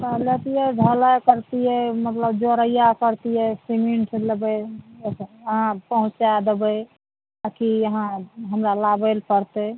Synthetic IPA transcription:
təlet̪ijɛɖʱəlakəɾt̪ijɛmət̪ləbd͡ʒoɾəjakəɾt̪ijɛsimeɳʈləbə | əɦãpəɦũt͡ʃad̪ebə | akiəɦãɦəmɾalabelpəɾt̪e

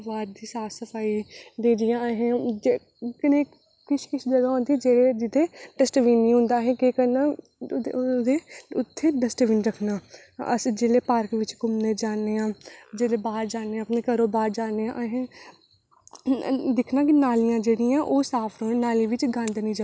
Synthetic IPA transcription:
ʋaːɾd̪iːsaːsəpʰaːiːd̪eːdɪjãːɦẽːd͡ʒ | kɪnẽː | kɪt͡ʃʰkɪʃʰd͡ʒəɡaːɔ̃ːnd̪id͡ʒeːɽeːd͡ʒɪt̪ːeːʈəsʈʋiːnːĩːɦʊ̃ːnd̪aːɦẽːkeːkəɾnaː | d̪eːʊt̪ʰːeːɖəsʈʋiːnɾəkʰnaː | ə̰sd͡ʒeːleːpaːɾkʋɪt͡ʃkʊmneːd͡ʒaːneːãːd͡ʒeːleːbaːɾd͡ʒaːneːãːəpneːkəɾoːbaːɾd͡ʒaːneːãʔaɦẽː | d̪ɪkʰnaːk̬ɪnaːlijãːd͡ʒeːɽiːãːʔoːsaːpʰɾoːnaːlĩːʋɪt͡ʃɡãːnd̪nĩːd͡ʒə

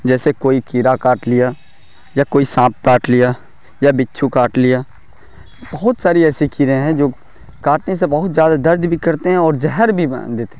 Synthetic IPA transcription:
d͡ʒɛːsekoːikiːɾakaːʈlɪja | jakoːisãːp̚kaːʈlija | jabɪtːʃʰukaːʈlɪjaː | bɐɦʊt̪saːɾiɛːsikiːɾẽɦɛ̃d͡ʒoː | kaːʈnesebɐɦʊt̪zjaːd̪ad̪ɐɾd̪bʱikɐɾt̪eɦɛ̃ɔːɾd͡ʒɛɦəɾbʱid̪eːt̪ẽ

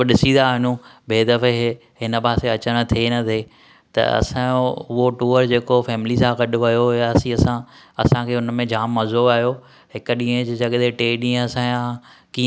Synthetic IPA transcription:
ɗɪsĩd̪aɦɪnũbeːd̪ɐfeɦ | ɦɪnəpaːseɐt͡ɕəɽ̃̆t̪ʰenɐt̪ʰeː | t̪ɐ̰ɐ̰sãʊɦoʈuːəɾd͡ʑeːkofʰɛːmɪlisãɡɐɗʊʋɐjojaɐsĩɐsã | ɐ̰sãkʰeːʊnmẽd͡ʑaːmːɐzoːaːɦjo | ɦɪkʊɗĩːə̃d͡ʑd͡ʑɐɠd̪eʈeːɗĩːə̃ɐsãjãki

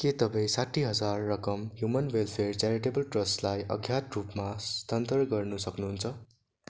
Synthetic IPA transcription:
ket̪ʌbaĩsaʈʰːiɦʌd͡zarːʌkʌmɦjumʌnwelpʰert͡saɾiʈebʌlʈrʌslajʔʌ̰ɡʱjat̪rupmast̪ʰʌnt̪ʌrɡʌrnusʌknuɦunt͡sʰʌ

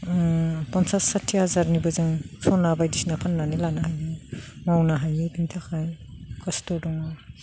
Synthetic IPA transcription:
pɔnsasatʰːihazaɾnibɯzɯŋsʰɔnabajdisnapʰanːanilanahajɯŋawnaɦajɯbintʰakʰajkʰɔstɔdɔŋa

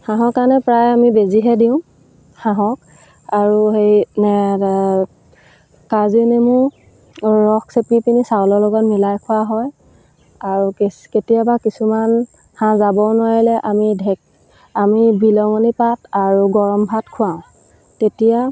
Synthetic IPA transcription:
hãɦɔ̃kanɛpɹajamibeziɦɛdiʊ̃ | haɦɔ̃k̚ | aɹuɦejnɛ | kazinemʊ | ɹɔksepɹipinisawlɔlɔɡɔtmilajkʰʊaɦɔj | aɹukketijabakisuman | hãzabɔnʊwaɹilɛʔamidʱɛk̚ | amibilɔŋɔnipataɹuɡɔɹɔmbʱatkʰʊwaʊ̃ | tetija

